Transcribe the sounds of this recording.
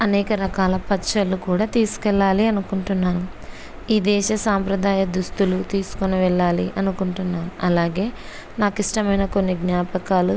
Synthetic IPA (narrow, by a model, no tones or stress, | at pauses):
ɐnɛːkɐɾɐkaːlɐpɐt͡ʃɐlːukuːɽaːt̪iːsu̥kɛɭːaːliɐnukuɳʈunːaːnu | iːd̪ɛːʃɐsaːmpɾɐd̪aːjɐd̪ust̪ulut̪iːsu̥koniʋɛɭːaːliʔɐnukuɳʈunːaːnuʔɐlaːɡe̞ː | naːkiʂʈɐmɐjnɐko̞nːiɡnaːpɐkaːlu